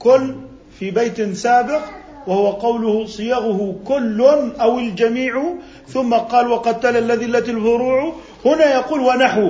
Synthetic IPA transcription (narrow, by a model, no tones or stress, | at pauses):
kʊlː | fibajt̪saːbɪq | wahʊwaqɑwlʊhsˤɨjɑɣʊhʊkʊlːʊnʔawɪld͡ʒamiːʕ | θʊmːaqɑːlwaqɑt̪ːalalːaðɪlːat̪alfʊɾuːʕ | hʊnajɑquːlwanaħw